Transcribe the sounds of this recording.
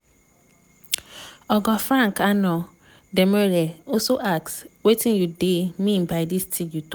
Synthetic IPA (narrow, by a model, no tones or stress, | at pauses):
ɔɡɔfɾãŋkanɔ | dɛmɛɾɛɔsoʔakswetĩnjudemĩnbaɪdistʰiɡjut